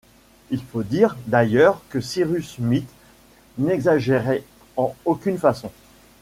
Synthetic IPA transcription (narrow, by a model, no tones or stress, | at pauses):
ilfod̪iʁd̪ajœʁkəsiʁysmit̪ | nɛɡzaʒeʁɛ | ɑ̃okʲynfasɔ̃